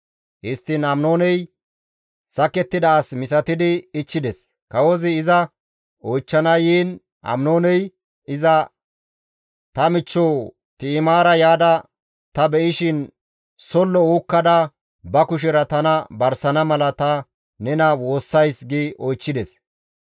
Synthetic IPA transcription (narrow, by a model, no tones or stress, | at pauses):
hɪst̪ːɪnɐmno̞ːnɛj | sɐkɛt̪ːɪd̪ɐːsmɪsɐt̪ɪd̪ɪːt͡ʃːɪd̪ɛs | kɐwɔzɪɪzɐ | ɔjt͡ʃːɐnɐjiːn | ɐ̰mnoːnɛj | ɪzɐ | t̪ɐmɪt͡ʃːoː | t̪ɪːmaːɾɐjaːd̪ɐ | t̪ɐbɛʔɪʃɪn | sɔlːɔuːkːɐd̪ɐ | bɐkʊʃ̬ɛɾɐt̪ɐnɐbɐɾsɐnɐmɐlɐt̪ɐ | nɛnɐwo̞ːsːɐjsɡɪʔɔjt͡ʃːɪd̪ɛs